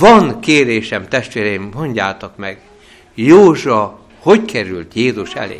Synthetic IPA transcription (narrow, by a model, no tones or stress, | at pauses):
vɒnkeːɾeːʃɛmt̪ɛʃt̪ʋeːɾɛjimɦo̞ɲɟaːt̪okmɛɡ | joːʒuɒ | ho̞ckɛɾylt̪jeːzuʃɛ̰lḛː